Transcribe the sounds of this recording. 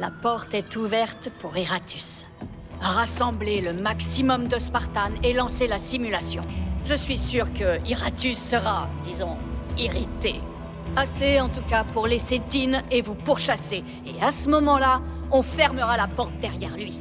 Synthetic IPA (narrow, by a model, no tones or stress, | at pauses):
lapɔʁt̪ɛt̪uvɛʁt̪puʁiʁat̪ʰys | ʁasɑ̃bleləmaksimɔmd̪əspaʁt̪anelɑ̃selasimylasjɔ̰̃ʒəsɥisyʁkəiʁat̪ysːəʁad̪izɔ̃iʁit̪e | aseɑ̃t̪ukapuʁlesed̪inevupuʁʃaseː | asəmɔmɑ̃la | ɔ̃fɛʁməʁalapɔʁt̪̚d̪ɛʁjɛʁlɥi